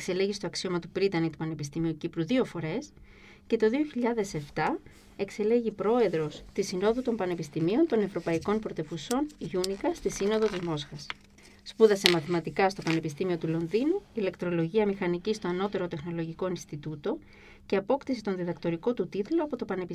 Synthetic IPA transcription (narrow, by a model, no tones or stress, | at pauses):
ekse̞le̞ʝist̪o̞ɐksio̞mɐt̪upɾit̪ɐnit̪u̥pɐne̞pist̪imiucipɾuðio̞fo̞ɾe̞s | ce̞t̪o̞ðio̞çiʎɐðe̞se̞ft̪ɐ | e̞kse̞le̞ʝipɾo̞e̞ðɾo̞st̪isino̞ðut̪o̞mpɐne̞pist̪imio̞nt̪o̞ne̞vɾo̞pɐiko̞npɾo̞t̪e̞vuso̞nʝunikɐst̪isino̞ðo̞t̪izmo̞sxɐs | spuðɐse̞mɐθimɐt̪ikɐst̪o̞pɐne̞pist̪imio̞t̪ulo̞nðinuile̞kt̪ɾo̞lo̞ʝiɐmixɐnicist̪o̞ɐno̞t̪e̞ɾo̞t̪e̞xno̞lo̞ʝiko̞inst̪it̪ut̪o̞ | ce̞ɐpo̞kt̪isit̪o̞nðiðɐkt̪o̞ɾiko̞t̪ut̪it̪lo̞ɐpo̞t̪o̞pɐne̞pi